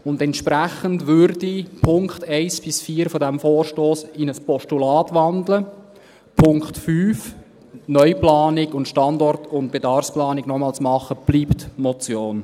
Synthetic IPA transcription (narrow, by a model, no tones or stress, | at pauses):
ʊndɛntʃpɾæχəndʋʏɾdipʰʊŋkχtɛɪsb̥ɪsfiːɾfɔdɛmfoːrʃtoːsɪnəspɔʃtulɑːtʋɑndlə | pʰʊŋkχtfyːf | nœʏplɑːnɪɡʊntʃtɑndɔrtʊntb̥edɑrfsplɑːnɪɡ̥nɔmɑːlsmɑχəb̥liːptmɔt͡sjoːn